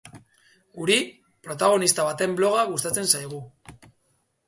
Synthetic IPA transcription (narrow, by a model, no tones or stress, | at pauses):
uɾi | pɾo̞t̪aɣ̞o̞nist̪aβ̞at̪e̞mblo̞ɣ̞aɣust̪at͡se̞nsajɣ̞u